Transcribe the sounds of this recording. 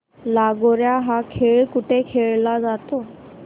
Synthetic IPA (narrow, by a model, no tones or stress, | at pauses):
laɡɔɾjaɦakʰeɭkuʈekʰeɭlad͡zat̪ɔ